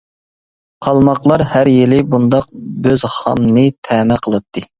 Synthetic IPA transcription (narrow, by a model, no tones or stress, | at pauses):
qʰɑlˠmɑqlˠɑɾhæɾjilɪbund̪ɑq̚bøzhɑ̰mnɨt̪ʰɛːmɛqʰəlˠɨt̪ʰːɨ